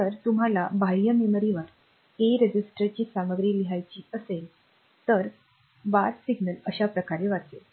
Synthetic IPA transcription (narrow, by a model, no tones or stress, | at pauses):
t̪əɾt̪um̤alabʱajjəmeməɾiʋəɾ | eɾed͡ʑisʈəɾt͡ɕiːsaməɡɾiːliɦajt͡ɕiːəsel | t̪əɾ | ʋat̪siɡnələɕapɾəkaɾeʋat̪e